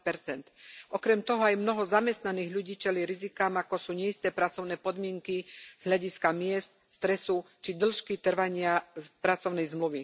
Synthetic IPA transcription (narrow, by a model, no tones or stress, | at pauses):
pɛɾt͡sɛnt̪ʔɔkɾɛmt̪ɔɦɔajmnɔɦɔzamɛst̪naniːɣʎuɟiːt͡ʃɛliɾizikaːmakɔsuːɲɛist̪ɛːpɾat͡sɔʊnɛːpɔd̪mɪɛŋkiz̥ɦlʎaɟiskamɪɛst̪ | st̪ɾɛsu | t͡ʃid̪l̩ʃkit̪r̩ʋaɲɪapɾat͡sɔʊnɛjzmluʋi